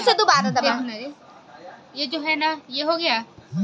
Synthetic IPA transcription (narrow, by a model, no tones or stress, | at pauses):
sed̪obaːɾãd̪aekːnaɾe | jeːd͡ʒoːɦɛːnajeɦoːɡɪjaː